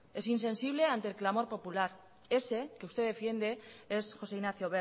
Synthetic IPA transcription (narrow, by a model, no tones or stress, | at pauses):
e̞sinsẽ̞nsiβ̞le̞ant̪elklamo̞ɾpo̞pulaɾ | e̞sekeust̪e̞ðefje̞nd̪e̞e̞sxo̞se̞inaθjoβe